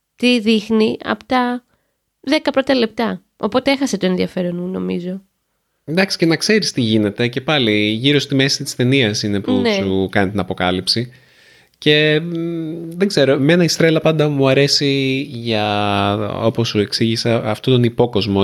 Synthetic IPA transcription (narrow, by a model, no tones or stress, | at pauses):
t̪iðixniɐ̰po̥t̪ɐ | ðe̞kɐpɾont̪ɐle̞p̚t̪ɐ | o̞po̞t̪eexɐset̪o̞e̞nðiɐfe̞ɾonmuno̞mizo̞ | end̪ɐksi̥ce̞nɐkse̞ɾist̪iʝine̞t̪e̞ce̞pɐliʝiɾo̞st̪imesit̪i̥st̪e̞niɐsine̞punsukɐnit̪inɐpo̞kɐlipsi | ce̞ | ðeɡze̞ɾo̞menɐist̪ɾe̞lɐpɐnd̪ɐmuɐɾe̞siʝɐ | o̞po̞sue̞ksiʝisɐɐft̪ot̪o̞nipo̞ko̞zmo